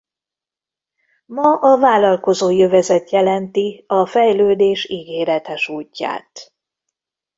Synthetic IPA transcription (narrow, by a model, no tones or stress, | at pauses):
mɒʔɒvaːlɒlko̞zoːjøvɛzɛt̪jɛlɛnt̪iɒfɛjløːd̪eːʃiːɡeːɾɛt̪ɛʃuːcːa̰ːt̪